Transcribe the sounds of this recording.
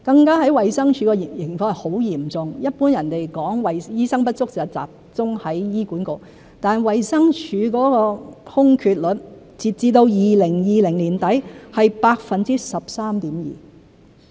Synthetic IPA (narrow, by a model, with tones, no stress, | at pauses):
kɐ˧ŋkaː˥ɦɐ˨˥jwɐ˨jsɐ˥ŋt͡ʃʰyː˨˥kɔ˧jjɪ˨˩ŋfɔː˧ŋ˨ho˨˥wjiː˨˩mt͡sʊ˨ŋjɐ˥t̚puː˥njɐ˨˩nt̪e˨jkɔː˨˥ŋwɐ˨jjiː˥sɐ˥ŋpɐ˥t̚t͡sʊ˥k̚sɐ˨t͡sa̰ː˨p̚t͡sʊ˥ŋhɐ˨˥jjiː˥kuː˨˥nkʊ˨˩ | t̪aː˨nwɐ˨jsɐ˥ŋt͡ʃʰyː˨˧kɔː˨˥kɔː˧hʊ˥ŋkʰyː˧t̚lɵ˨˥t | t͡siː˨p̚t͡siː˧t̪o˧wjiː˨lɪ˨˩ŋjiː˨lɪ˨˩ŋliː˨˩nt̪ɐ˨˥jhɐ˨jpaː˧k̚fɐ˨nt͡si˥sɐ˨p̚saː˥mt̪iː˨˥mjḭː˨˩